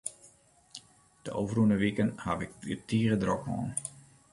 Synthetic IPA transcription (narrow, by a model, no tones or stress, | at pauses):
d̥əʔowvərunəʋikənhaʋɪkətiːəɣədrɔkmɔ̰ːn